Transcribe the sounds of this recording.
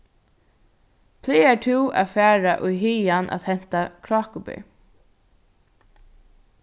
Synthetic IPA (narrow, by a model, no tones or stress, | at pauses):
pʰlɪːɛtʰɪwa̰fæːɹaʔʊjɦiːjanʔa̰ðhɛn̥t̪akʰɹaːkʊbɪ̰